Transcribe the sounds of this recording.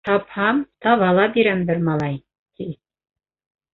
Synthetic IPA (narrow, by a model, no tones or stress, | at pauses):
ɑphɑmt̪ɑβɑlˠɑbiɾæmbɘɾmɑlˠɑj | t̪i